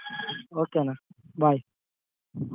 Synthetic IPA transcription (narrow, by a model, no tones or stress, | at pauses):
okenabʱaj